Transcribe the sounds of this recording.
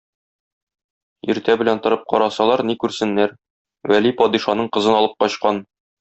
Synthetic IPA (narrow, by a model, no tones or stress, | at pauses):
ḭɾt̪æbɘ̆lænt̪ɤ̆ɾɤp̚qɒ̰ɾɑsɑlˠɑɾnikʉɾsɘ̆nːæɾ | wælipɒd̪iʃɑnɤɴqɤ̆zɤnɒlˠɤp̚qɒɕqɑn